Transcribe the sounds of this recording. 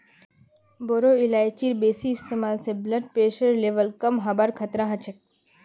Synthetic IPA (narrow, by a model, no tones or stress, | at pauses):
boɾoilajt͡ɕiɾbesiːst̪emalsebləɖ̚pɾeʃəɾleʋəlkəmɦɐbaɾkʰɐt̪ɾaɦət͡ɕʰek̚